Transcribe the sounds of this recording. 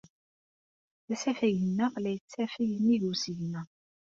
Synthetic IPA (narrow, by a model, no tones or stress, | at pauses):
θæsæfæʝənːəʁlæjət͡sːæfijənːiʝusiʝnəʁ